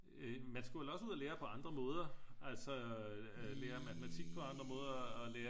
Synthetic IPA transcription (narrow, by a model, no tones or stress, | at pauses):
ømænsɡ̥uʋe̝lɒ̽suð̰ˠɐleːɐpʰɒ̽ɑ̈nd̥ʁɐmɔ̽ːð̞ˠɐʔælsɒ | leːɐmæt͡sʰemæt͡sʰiɡ̥̚pʰɒ̽ɑ̈nd̥ʁɐmɔ̽ːð̞ˠɐɐːleːɐ